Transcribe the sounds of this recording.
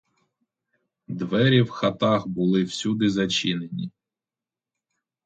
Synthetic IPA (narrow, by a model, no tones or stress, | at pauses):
d̪ʋɛɾʲiwxɐt̪ɑxbʊlˠɪwsʲud̪ɪzɐt͡ʃinenʲi